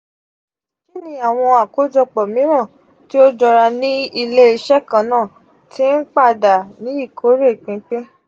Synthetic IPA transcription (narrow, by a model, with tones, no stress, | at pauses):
ki˦nĩ˧˦a˨w̃ɔ̃˧a˨ko˨˦d͡ʒɔ˧k͡pɔ˨mĩ˨˦ɾ̃ã˦˨ | ti˦o˦d͡ʒɔ˧ɾa˧nĩ˦i˧le˦i˧ʃɛ˦kã˨nãː˦˨ | tʰi˦n̩˦k͡pa˦˨da˨nĩ˨˦i˦˨kʰo˨˦ɾe˦˨k͡pĩ˨˦k͡pẽ˦